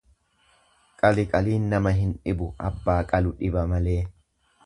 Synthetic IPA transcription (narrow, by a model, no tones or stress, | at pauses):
kʼɐlɪkʼɐliːnːɐmɐɦɪnᶑɪbʊɐbːaːkʼɐlʊᶑɪbɐmɐleː